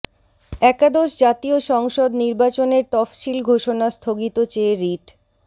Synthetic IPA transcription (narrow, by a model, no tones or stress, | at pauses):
ɛkad̪oʃd͡ʑat̪ioʃɔŋʃod̪niɾbat͡ɕoneɾt̪ɔfʃilɡʱoʃonast̪ʰoɡit̪ot͡ɕeːɾiʈ